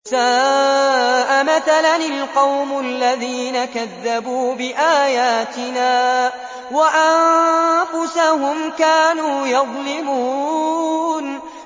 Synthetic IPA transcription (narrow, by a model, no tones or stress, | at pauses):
saː | ʔamaθalanɪlqɑwmʊalːaðiːnakaðːabuːbɪʔaːjaːt̪ɪnaː | waʔannfʊsahʊmkaːnuːjɑðˤlɪmuː | n